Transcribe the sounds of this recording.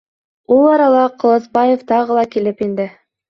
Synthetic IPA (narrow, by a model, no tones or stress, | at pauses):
ulˠɑɾɑlˠɑqʰɤ̆lˠɤsbɑjeft̪ɑʁɤlˠɑkilɘpind̪ɘ